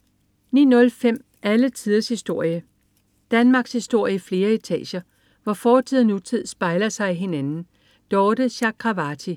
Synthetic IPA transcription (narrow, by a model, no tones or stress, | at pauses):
nḭːnɔ̽lfem̰ | ʔælət͡sʰiðˠɐshisd̥o̝ɐ̰jə | d̥ænmɑ̈ːɡ̥shisd̥o̝ɐ̰jəifle̝ːɐet͡sʰɛ̰ːɕɐ | ʋɒfɒːt͡sʰið̰ˠnut͡sʰið̰ˠsb̥ɑ̈ɪlɐsɑ̈ɪiɦe̝nænn̩ | d̥ɒːd̥əɕɑ̈kʰʁɑ̈ʋɑt͡sʰi